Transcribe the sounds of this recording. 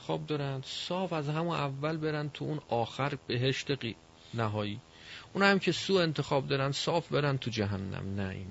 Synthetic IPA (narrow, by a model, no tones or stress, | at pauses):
xɒ̰ːb̚d̪ɒːɾænd̪̥sɒːfæzhæmunʔævːælbe̞ɾænd̪̚t̪ʰuunɒːxæɾbe̞ɦe̞ʃt̪ei | næɦɒːjiː | unhæmcʰe̞suːe̞nt̪ʰe̞xɒːb̚d̪ɒːɾænd̪sɒːfbe̞ɾænt̪ʰud͡ʒæɦænːæ̰mnæ̰ḭːn